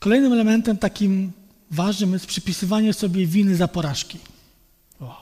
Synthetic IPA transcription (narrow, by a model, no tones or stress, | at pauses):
kɔlɛjnɘmɛlɛmɛnt̪ɛmt̪akʲim | vaʐnɘmjɛst̪̚pʂɛpʲisɘvaɲɛsɔbʲjɛvʲinɘzapɔɾaʂkʲi | a